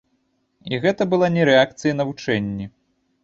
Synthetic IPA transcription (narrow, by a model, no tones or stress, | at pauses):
iɣɛt̪ɐbɨlˠanʲɛɾɛakt̪sɨjɐnɐvut͡ʂɛnʲːi